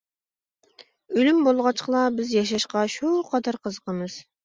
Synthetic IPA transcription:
ølymbolˠʁɑt͡ʃqlˠɑbɪzjɑʃ̬ɑʃqɑʃuqʰɑd̪ɑɾqʰəzəqʰəmɨz̥

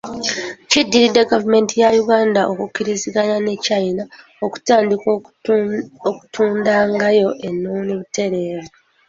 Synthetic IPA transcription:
cidːiɾidːeɡavume̞ntijajuɡaːndaʔokukːiɾiziɡanane̞cajina | oku̥taːndik | oku̥tʰuːndaːŋɡajo̞ʔe̞nːoːniβute̞ɾe̞ːɾo

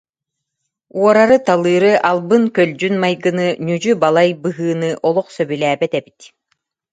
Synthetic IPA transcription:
uɔɾaɾɯt̪alˠɯːɾɯʔalˠbɯnkœld͡ʑynmajɡɯnɯnyd͡ʑybalˠajbɯɦɯːnɯʔɔlˠɔχsœbylæːbɛt̪ɛbi̥t̪

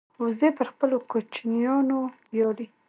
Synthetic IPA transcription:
uzepəɾxpəlokot͡ʃnjɑnobjɑɽi

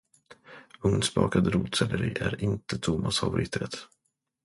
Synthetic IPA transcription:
ɵŋnspɑ̰ːkad̪ɾuːt̪sɛləɾiːʔæɾɪnt̪ət̪ʰʊmasfavʊɾʔɪːt̪ʰɾɛːt̪

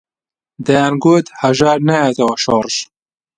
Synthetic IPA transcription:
d̪ɐjaːnɡoːt̪hɐʒaːɾnajat̪ɐwɐʃoɾˤʃ

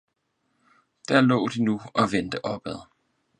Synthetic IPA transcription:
d̥æɐlɔ̰̽ːd̥inuɒ̽ʋend̥əʔɒ̽b̥æðˠ

